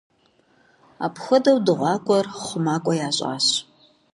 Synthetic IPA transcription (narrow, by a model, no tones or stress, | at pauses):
a̰ːpʰxʷɐdɐwdɨʁʷɑːkʷʼɔrχʷʊmaːkʷʼɔjaːɕʼa̰ːɕ